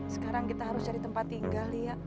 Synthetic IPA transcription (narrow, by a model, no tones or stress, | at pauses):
sə̥kaɾaŋkit̪aɦaɾʊsd͡ʒaɾit̪əmpat̪ːiŋɡalija